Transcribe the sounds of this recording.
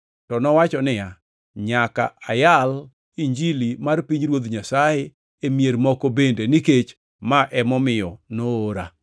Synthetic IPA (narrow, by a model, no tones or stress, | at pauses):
tɔnɔwat͡ʃɔnɪja | ɲaka̰ʔajal | iɲd͡ʒilimarpiɲɾwod̪ɲasaje | emjeɾmɔkobendeniket͡ʃ | maʔɛmɔmɪjɔnooɾa